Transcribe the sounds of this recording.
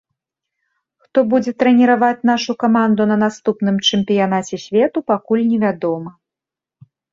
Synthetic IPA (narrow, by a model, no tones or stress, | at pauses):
xt̪ɔbud͡zʲɛt̪ɾɛnʲɛɾavat͡sʲn̪aʂukamand̪unɐnast̪upn̪ɨmt͡ʂɛmʲpʲijanat͡sʲɛsʲvʲɛt̪upakulʲnʲɛvʲad̪ɔmɐ